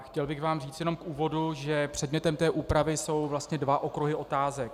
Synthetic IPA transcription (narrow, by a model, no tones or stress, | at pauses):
xcɛlbɪɣvaːmriːt͡st̪jɛno̞mkʔuːvo̞duʒɛpr̝̥ɛdmɲɛt̪ɛmt̪ɛːʔuːpɾavɪso̞wvlast̪ɲɛdvaʔo̞kɾuɦɪʔo̞t̪aːzɛk̚